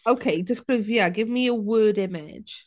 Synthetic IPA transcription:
oʊkʰeɪd͡ʒʌspʰɹ̥ʉvjaɡɪvmiəwɜːɾɪmɪ̰d̥ʒ̥

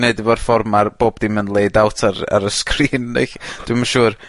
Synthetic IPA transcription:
neɨdɪvɔrfɔrmarb̥oːb̚d̥imənlˠejdawtʰaɾa̰ɾəskʰriːnnḛxd̥wɪmaʃuːr

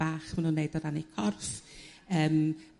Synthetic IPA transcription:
aːχmanunːejdɔdanikʰɔrθəːm

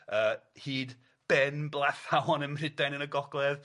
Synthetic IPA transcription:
əːhiːd | b̥ɛnblˠaθawɔnənr̥ɪdajnənəɡɔɡlˠɛð

